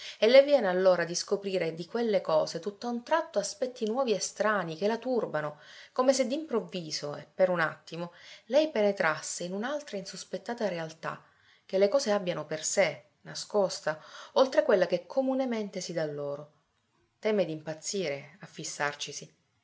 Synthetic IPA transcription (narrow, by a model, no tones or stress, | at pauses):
elːevjɛːnealːoːɾad̪iskopɾiːɾed̪ikwelːekɔːzet̪ut̪ːaunt̪ɾat̪ːoaspɛt̪ːinwɔːviest̪ɾaːnikelat̪urbanokomesed̪ːimpɾovːiːzoepːeɾuna̰t̪ːimolɛjpenet̪ɾasːeinunalt̪ɾainsuspet̪ːaːt̪aɾealt̪a̰ | k̟elːekɔːzeabjanoperse | naskost̪aolt̪ɾekwelːak̟ekʰːomunement̪esid̪alːoːɾo | t̪ɛːmed̪impat̪sːiːɾeafːisːart͡ʃisi